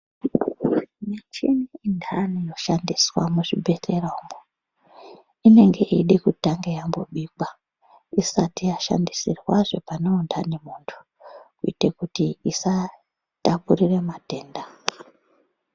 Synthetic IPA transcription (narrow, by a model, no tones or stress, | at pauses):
mat͡ʃiniindʱanijo̞ʃandiswa̰muʐibʱe̞te̞raumbo | ine̞ŋɡe̞ʔiɗikutaŋɡejamboɓiːkwa | isatijaʃa̰ndisirwaʐe̞panoundanemuːntʰu̥ | kuitekutiisa | tapurire̞mate̞ːnda